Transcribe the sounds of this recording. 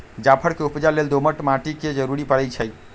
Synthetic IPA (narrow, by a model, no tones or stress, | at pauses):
d͡ʑapʰəɾkeupd͡ʑaleld̪oməʈmaʈiked͡ʑɔɾuɽipəɽejt͡ɕʰej